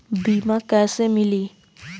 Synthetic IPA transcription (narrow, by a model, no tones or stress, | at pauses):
bimãkɛsemili